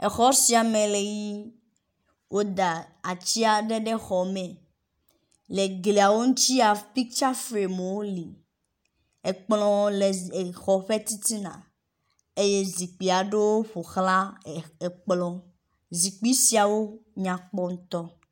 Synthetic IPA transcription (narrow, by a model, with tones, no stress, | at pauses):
e˨xɔ˦si˨a˨mẽ˨le˨ji˦ | wʔo˦d̪a˨a˨t͡ɕi˦a˨ɖe˦ɖe˦xɔ˨mẽ˨ | le˨ɡle˨a˨wo˦ŋũ˦t͡ɕi˦a˨pi˦k̚t͡ʃa˦fɾe˨me˨wo˦li˨ | e˨k͡plɔ̃˦le˨xɔ˨ɸe˦t̪i˦t̪i˦nã̰˨ | e˦je˦zi˨k͡pi˨a˨ɖe˦wo˦ɸo˨xla˦e˨k͡plɔ̃˦ | zi˨k͡pi˦si˨a˨wo˦ɲã˨k͡pɔ˦ŋ̩̃˦t̪ɔ˦